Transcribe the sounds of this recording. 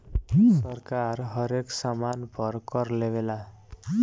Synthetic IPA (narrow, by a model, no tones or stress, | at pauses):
sʌrkarɦʌɾeksamanpʰʌrkʌrlebela